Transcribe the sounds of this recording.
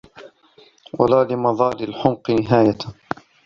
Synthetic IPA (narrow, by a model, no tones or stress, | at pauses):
wa̰laːlɪmɑðˤɑːlɪlħʊmqnɪɦaːja